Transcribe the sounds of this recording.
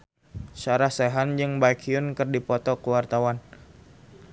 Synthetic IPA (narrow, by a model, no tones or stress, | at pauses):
saɾahseɦand͡ʒɨŋbajkʰiʊnkɨrdipɔt̪ɔkəwart̪awan